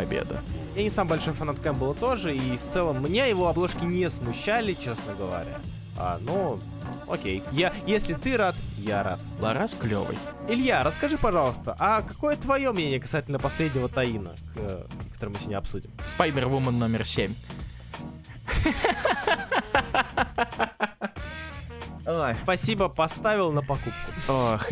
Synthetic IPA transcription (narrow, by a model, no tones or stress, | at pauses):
pɐbʲḛd̪ə̰ | anʲɪsambɐlʲʂojfɐnat̪kambɨlˠt̪o̞ʐɨift̪sɛlˠəmːnʲejɪvo̞ɐblˠoʂkʲɪnʲesmʊɕːalʲɪt͡ɕe̞snəɡəvɐ̰ɾʲa̰ | a̰no | o̰kʲejjajesʲlʲɪt̪ɨɾat̪jaɾa̰t̪̚lˠɐ̰ɾasklʲo̰vɨ̰jɪlʲjaɾəskɐʐɨpɐʐɑlˠəst̪əʔɐkɐko̞jət̪vɐjo̞mnʲenʲɪjəkɐsatʲɪlʲnəpɐsʲlʲedʲnʲɪvət̪ɐinə̰kə̰kɐt̪oɾəmɨɕʲɪnʲaɐpsudʲɪmspajmʲərvumənːomʲɪrsʲemʲ | ospɐsʲibəpɐst̪avʲɪlˠnəpɐkup̚kʊox